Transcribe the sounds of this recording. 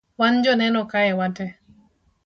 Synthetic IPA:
wand͡ʒɔnɛnɔkajɛwatɛ

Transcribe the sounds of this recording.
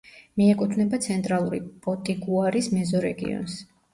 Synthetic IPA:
miɛkʼut̪ʰvnɛbat̪sʰɛnt̪ʼɾalˠuɾḭpʼɔt̪ʼiɡuaɾismɛzɔɾɛ̰ɡḭɔ̰ns

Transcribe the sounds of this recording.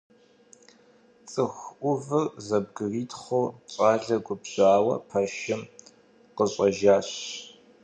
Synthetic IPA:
t͡sʼɨxʷʔʷʊvɨrzɐb̚ɡɨriːtʰχʷoːɕʼaːɮɐɡʷʊpɕaːwɐ̰pʰɐʃɪm | qəɕʼɐʒaːɕ

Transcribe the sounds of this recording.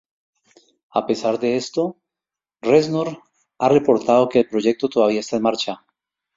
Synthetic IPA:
a̰pe̞saɾd̪e̞est̪o̞ | reznoɾ | are̞po̞ɾt̪að̞o̞ke̞ːlpɾo̞ʝe̞k̚t̪o̞t̪oðaβiaest̪aenmaɾt͡ʃa

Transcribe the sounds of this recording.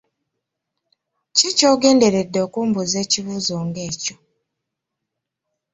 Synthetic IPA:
cicoːɡe̞ːnde̞ɾe̞dːookuːmbuzeːciβuzoːŋɡeːco

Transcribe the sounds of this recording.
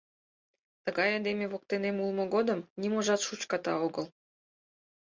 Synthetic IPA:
t̪ə̆ɣɑjɑd̪emʲeβok̚t̪enemulˠmɤ̆ɡod̪ə̆mnʲimoʒɑt̪ʃut͡ɕkɑt̪ɑ̰oɡɤ̆lˠ

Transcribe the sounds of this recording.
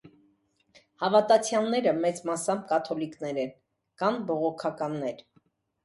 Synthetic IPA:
hɑvɑt̪ɑt͡sʰjɑlnɛɾəmɛt͡smɑsɑmkɑt̪ʰɔliknɛɾɛn | kɑnbɔʁɔkʰɑkɑnːɛɾ

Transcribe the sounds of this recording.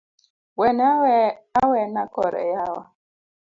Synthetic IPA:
wɛnawɛawɛnakɔɾɛ̰jawa

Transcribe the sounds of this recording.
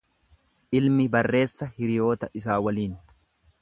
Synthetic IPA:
ʔɪlmɪbɐrːe̞ːsːɐhɪɾɪjo̞ːt̪ɐʔɪs̬aːwɐliːn

